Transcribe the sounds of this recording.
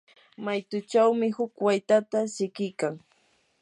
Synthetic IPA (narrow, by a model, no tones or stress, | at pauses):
majt̪ʊt͡ʃawmɪhʊkwajt̪at̪asɪkɪjkaŋ